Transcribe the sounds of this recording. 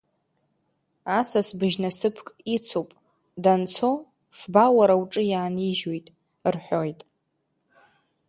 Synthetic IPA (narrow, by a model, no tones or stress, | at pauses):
asasbɨʒnasɨpʰkʼit͡sʰopʼ | dant͡sʰo | sbawaɾawʈ͡ʂʼɨjaːniʒwojtʼ | rħʷᶣojtʼ